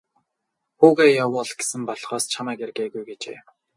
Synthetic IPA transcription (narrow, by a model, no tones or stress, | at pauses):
xuːɣæːjawʊːɮɡesɘ̆mpɔɮχɔːst͡ɕʰamæːkerɣeːɣujɡet͡ɕḛː